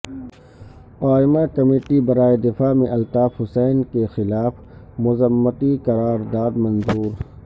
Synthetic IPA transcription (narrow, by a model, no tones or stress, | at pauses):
ɔːɪmakɐmeːʈibɐɾaːed̪ɪfaːmẽʔɐlt̪aːfɦʊsɛːnkexɪlaːf | mʊzəmːət̪iqɐɾaːɾd̪aːd̪mɐ̃nzuːɾ